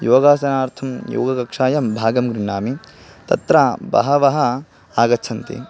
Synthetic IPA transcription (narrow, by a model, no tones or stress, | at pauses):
joːɡaːsɐnaːɾt̪ʰɐmjo̰ːɡɐkɐkʂaːjɐmbʱaːɡɐmɡɾiɳaːmit̪ɐt̪ɾabɐ̰ɦɐʋɐɦɐ | aːɡɐt͡ʃʰɐnt̪ḭ